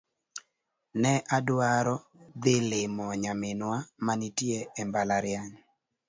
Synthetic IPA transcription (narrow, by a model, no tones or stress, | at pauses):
nɛʔadwaɾɔ | d̪ɪlɪmɔɲamɪnwamanitjeɛmbalaɾjaɲ